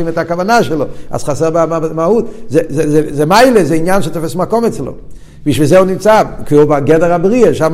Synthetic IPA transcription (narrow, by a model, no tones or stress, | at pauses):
imɛtakavanaʃɛlˠoa̰sχasɛʁbamamahut̚zɛzɛzɛzɛmaɪlezɛinjanʃɪt̪ɔfɛsmakɔmɛt͡slo̰ | miʃvizɛunimt͡sakubaɡɛdəʁabʁieʃam